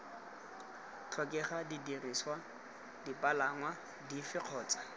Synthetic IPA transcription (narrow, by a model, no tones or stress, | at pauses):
t͡ɬʰɔkʼɛχadidiriswa | dipʼalaŋwa | difɪq͡χʰɔːt͡sʼḁ